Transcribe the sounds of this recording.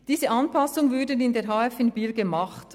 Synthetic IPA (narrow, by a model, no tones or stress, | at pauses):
d̥iːzəʔɑnpɑsʊŋəvʏɾdənɪndeːɾɦɑːɛfɪnbiːlɡəmɑχt